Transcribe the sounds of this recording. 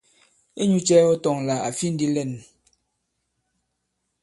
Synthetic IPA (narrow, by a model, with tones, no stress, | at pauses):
e˦ɲu˦t͡ʃɛ˦ɔ˦tɔ˨ŋla˨a̰˨fi˦n̩˦di˦lɛ˦˨n